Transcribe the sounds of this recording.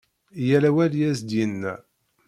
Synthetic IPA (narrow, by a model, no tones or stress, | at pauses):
jælæwæljæsd̪jənːæ̰